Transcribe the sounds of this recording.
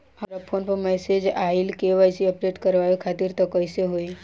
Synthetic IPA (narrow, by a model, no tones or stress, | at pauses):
ɐɾapʰonpəmɛsed͡ʒaːɪlkeʋajsiəpɾeʈkəɾʋaːjokʰaːt̪iɾt̪ɔkːəjseɦoi